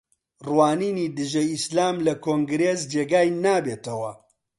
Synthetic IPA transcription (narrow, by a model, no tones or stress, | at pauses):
rwaːniːniːd̪ɨʒɐislaːmlɐkʰoːŋɡɾeːs̬d͡ʒeɡaːjnaːbeːt̪ɐwɐ